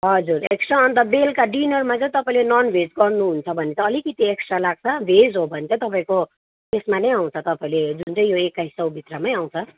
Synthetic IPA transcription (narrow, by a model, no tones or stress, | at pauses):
ɦʌd͡zureksaʌnt̪ʌbelkaɖinʌrmat͡sʌ̃j̃t̪ʌpaĩlenʌnbʱed͡zɡʌrnuɦunt͡sʰʌbʱʌnet͡sʌ̃ʌlikit̪ieksalaɡ̚t͡sʰʌbʱed͡zɦobʱʌnet͡sʌ̃t̪ʌpaĩko | t̪esmanʌjaw̃t͡sʰʌt̪ʌpaĩled͡zunt͡sʌj̃joekːaisʌwbʱit̪rʌmaj̃aw̃t͡sʰʌ